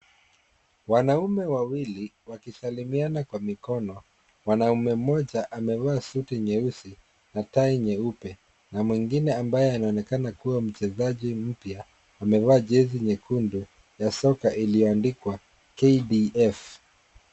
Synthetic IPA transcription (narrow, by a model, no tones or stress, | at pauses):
wanaumɛwawiliwakisalimianakwamikɔnɔ | wanaumɛm̩mɔʄaʔamɛvaːsutiɲɛusi | nataiɲɛupɛ | namwiŋɡinɛambajɛanaɔnɛkanakuwam̩t͡ʃɛzaʄim̩pjaː | mɛvaːʄɛziɲɛkundu | jasɔkaʔilijɔandikwa | kediʔɛf